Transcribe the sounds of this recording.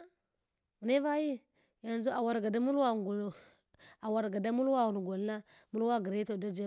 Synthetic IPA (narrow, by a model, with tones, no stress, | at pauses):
ne˦va˦ji˦ | ja˨nzo˦a˨wa˨ɾɡa˨da˦mu˦lwa˦˨ | a˨wa˨ɾɡa˨da˦mu˦lwa˦wu˨ɾɡo˨lna˦ | mu˦lwa˦ɡi˨ɾe˦to˨da˦d͡ʒa˦